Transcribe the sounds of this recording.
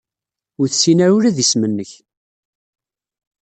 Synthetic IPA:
ʊɾθsinæɾuɾæðismənːəç

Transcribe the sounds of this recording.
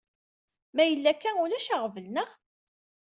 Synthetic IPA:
mæjəlːækːænʊlæʃaʁvəlnəʁ

